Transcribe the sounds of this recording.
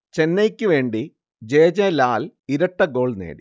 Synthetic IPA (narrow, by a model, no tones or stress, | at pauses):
t͡ɕenːejkʲːɨʋe̞ːɳɖi | d͡ʑeːd͡ʑelaːliɾɐʈːɐɡo̞ːɭnḛːɽi